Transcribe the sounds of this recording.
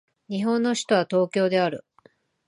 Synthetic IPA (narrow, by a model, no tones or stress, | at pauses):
ɲ̟iɦõ̞nːo̞ɕi̥t̪o̞β̞at̪o̞ːkʲo̞ːd̪e̞aɾɯ̟̰